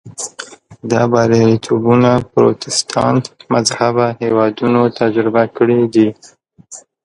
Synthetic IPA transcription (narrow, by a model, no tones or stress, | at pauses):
d̪ɑbɑɾeɾit̪ʰobunapɾo̰t̪ɪst̪ʰɑnt̪mazhabahewɑd̪unot̪ad͡ʒɾɪbakəɽid̪i